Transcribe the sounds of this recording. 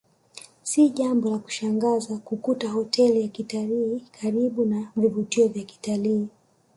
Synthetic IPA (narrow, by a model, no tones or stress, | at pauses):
siʄambɔlaku̥ʃaŋɡazakukutahɔtʰɛlijakitaliːkʰaɾiɓunavivutiɔvjaki̥taliː